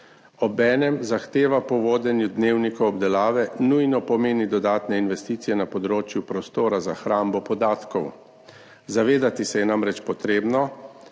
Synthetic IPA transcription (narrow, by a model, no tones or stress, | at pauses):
ɔbɛːnɛmzaxt̪eːʋapɔʋoːd̪ɛnjud̪neːwnikɔɔbd̪ɛlaːʋɛnujnɔpɔmeːnid̪ɔd̪aːt̪nɛinʋɛst̪iːt̪sijɛnapɔd̪ɾoːt͡ʃjupɾɔst̪oːɾazaxɾaːmbɔpɔd̪aːt̪kɔw | zaʋeːd̪at̪isɛjɛnamɾɛt͡ʃpɔt̪ɾeːbnɔ